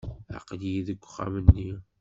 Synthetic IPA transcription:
a̰qliiðəɡʷːχa̰mənːi

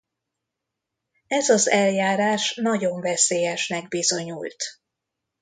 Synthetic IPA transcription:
ɛzɒzɛljaːɾaːʃnɒɟo̞ɱvɛseːjɛʃnɛɡ̚bizo̞ɲult̪

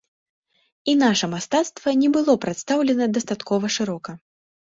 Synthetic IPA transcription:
inaʂɐmast̪at̪st̪vɐnʲɛbɨlˠɔpɾat̪st̪awlʲɛnɐd̪ɐst̪at̪kʰɔvɐʂɨɾɔkɐ

